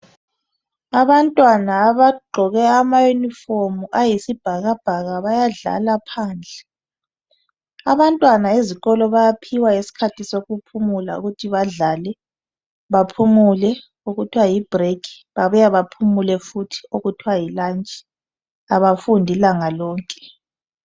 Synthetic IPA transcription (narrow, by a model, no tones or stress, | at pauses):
aβantʼwanaːβaɡ͡ǃʱɔɣɛamajunifomuʔajisib̥ʱaɣab̥ʱaɣaβajaɮa̰lapʰaːnd͡ɮʱɛ | a̰βantʼwanaeziɣɔlɔβajapʰiwaŋesi̥kʰatʰisoɣupʰumula̰ṵɣutʰiβaɮalɛ | βapʰumulɛ | uɣutʰiwajib̥ʱrekʰi̥ | βaβujaβapʰumulɛfutʰi̥uɣutʰiwajilant͡ʃʼɛ̥ | aβafundʱilaŋalɔːŋkʼɛ̥